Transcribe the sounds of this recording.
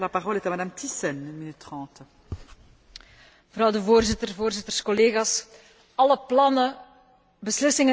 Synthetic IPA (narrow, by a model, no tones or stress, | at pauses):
lapaʁɔlɛt̪amad̪amt̪isɛnynminyt̪ːχɑ̃t̪ | məvɾɑwdəvoːrzɪt̪ərvoːrzɪt̪ərskɔleːɣas | ɑləplɑnə | bəslɪsɪŋə